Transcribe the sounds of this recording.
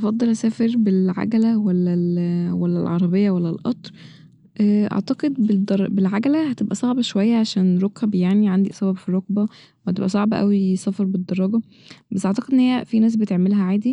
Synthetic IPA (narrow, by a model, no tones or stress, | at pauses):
ʔɑfɑd̪ˤːelʔæsæːfeɾbelʕa̰ɡælæwælːælwælːæ̰lʕɑɾˤɑbejːɑwælːælʔɑ̰t̪ˤɾ | ʔæʔɑ̰ʕt̪ɑqed̪̚bd̪ɾˤbelʕaɡælæhæt̪ebʔæsˤɑʕbɑʃowæjːæʕaʃæːnɾˤokæbjaʕniʕand̪iʔsˤæbɑbfirˤːoɡ̚bæ | whæt̪ebʔæ̰sˤɑʕbɑʔæ̰wisˤæfɑɾˤbed̪ːɑɾˤːɑɡɑ | bæsʔeʕt̪ɑqed̪ʔenːhejːæfinæːs̬bet̪eʕmelɦæʕaːd̪i